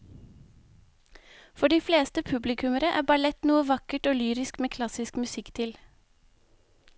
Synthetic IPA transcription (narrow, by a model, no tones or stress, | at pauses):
fɔɖiːfleːst̪əpʰʉblɪkʰʉməɾəʔæːbɑlɛt̪nuːəʋɑkəʈoːlyːɾɪskmeːkʰlɑsɪskmʉsɪkt̪ʰɪl